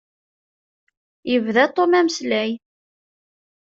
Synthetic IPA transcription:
jəvðæt̪ˤːomæməslæj

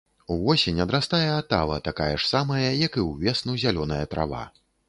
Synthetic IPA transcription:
uvɔsʲenʲɐd̪ɾast̪ajɛat̪a̰vɐ̰t̪akajɐʂsamɐjɐjɐkɨwvʲɛsnuzʲalʲɔn̪ɐjɐt̪ɾʔa̰va̰

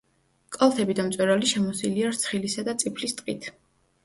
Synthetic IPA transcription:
kʼɔlˠt̪ʰɛbid̪amt̪sʼwɛɾaliʃɛmɔsiliaɾt̪sʰχilisad̪at̪sʼipʰlist̪ʼqʼḭt̪ʰ

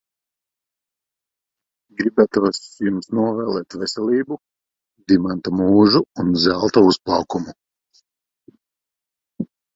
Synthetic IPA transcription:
ɡɾibæt̪uɔsjumsnuɔvɛːlˠɛːt̪vɛsʲɛlʲˠiːbu | d̪imant̪amuːʒuːnzælˠt̪ausplˠɑwkumu

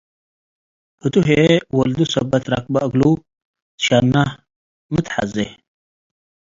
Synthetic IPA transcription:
hɨt̪uɦewɐld̪usɐbɐt̪ɾa̰kbaʔɨɡlu | t̪ʃanːa | mɨt̪ħa̰ze

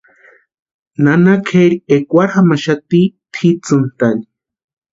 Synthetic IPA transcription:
nanakʰeɾiekʷaɾxamaʃat̪it̪ʰit͡sɨnt̪ani̥

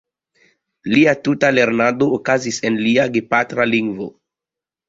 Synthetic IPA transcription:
liatutale̞ɾnadoːkazisenliaɡepatɾaliŋɡvo̰

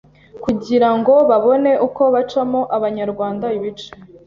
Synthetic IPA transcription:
kuɟiɾaŋɡo̞βaβo̞ne̞ʔuko̞βat͡ʃamo̞ʔaβaɲaɾɡwaːndaiβit͡ʃe

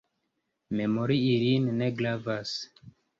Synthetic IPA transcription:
memoɾiːɾinːe̞ɡlavas

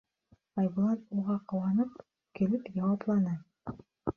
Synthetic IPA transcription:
ɑjblˠɑnuʁɑqɤ̆wɑnɤp | kɘ̆lɘpjɑwɑplˠɑnɤ

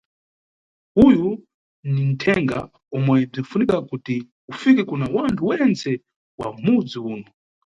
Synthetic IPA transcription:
huju | nin̩tʰɛŋɡa̰ | ɔmwaib͡ʐinfunikakuti | ufikɛkunawantʰuwɛnt͡sɛ | wa̰mud͡ziuːnɔ

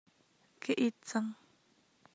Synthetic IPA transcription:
keʔit͡saŋ

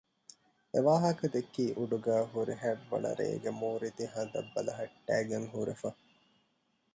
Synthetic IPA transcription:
eʋaːɦɐkɐd̪ekːiːʔuɖuɡæːɦuɾiɦæbʋɐ̰nɐ̰ɾḛːɡemuːɾid̪iɦɐnd̪ɐbːɐlɐɦɐʈːæːɡeŋɦuɾefɐ

